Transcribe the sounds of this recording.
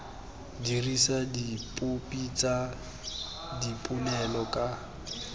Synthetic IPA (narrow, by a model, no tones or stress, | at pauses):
dirisadipʼʊpʼit͡sʼa | dipʼunɛlɔkʼa